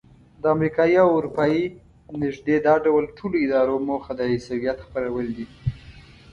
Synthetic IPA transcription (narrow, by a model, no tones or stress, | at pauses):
d̪əamɾikɑjiawʊɾupɑji | nɪʒd̪ed̪ɑɖawəlʈʰoloɪd̪ɑɾomoxad̪əisawijat̪xpəɾawəld̪i